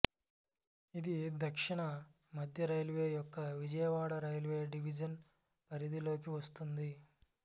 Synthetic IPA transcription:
id̪id̪ɐkʂiɳɐ | mɐd̪ʱjɐɾɐjlʋe̞ːjɔkːɐʋid͡ʒɐjɐʋaːɽɐɾɐjlʋe̞ːɖiʋid͡ʒɐn | pɐɾid̪ilo̞ːk̬iʋɐst̪und̪i

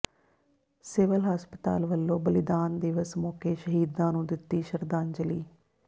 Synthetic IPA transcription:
sɪʋəlɦaːspət̪a̰ːlʋəlːõːbəlɪd̪aːnd̪ɪʋəsmɔːkeːʃəɦiːd̪ãːnũːd̪ɪt̪ːiːʃəɾd̪ãːnd͡ʒəliː

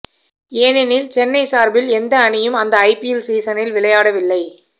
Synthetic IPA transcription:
eːnɪnɪlt͡ʃɛnːɐɪsaːɾbɪlɛnd̪ɐːɳɪjɯmɐnd̪ɐɐɪpɪjɛlsiːsɐnɪlʋɪɭɐjaːɽɐʋɪlːɐɪ

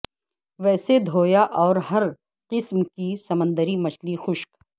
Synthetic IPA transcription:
ʋɛːsed̪ʱoːjaʔɔːɾɦɐɾ | qɪsmkisɐmə̃nd̪əɾimɐt͡ʃlixʊʃk

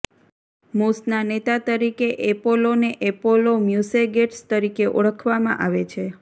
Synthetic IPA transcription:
musnanet̪at̪əɾikeʔepoloneʔepolomjuseɡeʈst̪əɾikeʔo̰ɭəkʰʋamã̰ʔaʋet͡ʃʰe

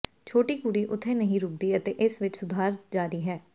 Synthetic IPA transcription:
t͡ʃʰoːʈiːkuɽiːʔʊt̪ʰːẽːnəɦĩɾʊːk̚d̪iːət̪eːʔɪsʋɪt͡ʃsʊd̪ʱaːɾd͡ʒaːɾiːɦɛː

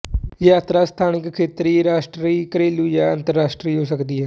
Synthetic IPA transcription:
jaːt̪ɾaːst̪ʰaːnɪkkʰːeːt̪ɾiːɾaːʃʈɾiːkəɾeːluːjaːənt̪əɾːaːsʈɾiːɦoːsəkd̪iːɦɛː

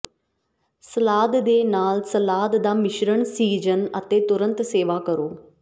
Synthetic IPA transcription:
səlaːd̪d̪eːnaːlsəlaːd̪d̪aːmɪʃɾəɳsiːd͡ʒənət̪eːt̪ʊɾənt̪seːʋaːkəɾoː

